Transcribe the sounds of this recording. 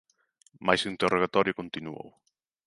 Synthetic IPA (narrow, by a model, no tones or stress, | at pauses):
majsint̪erʔoɣat̪ɔɾjʊkont̪inuo̰w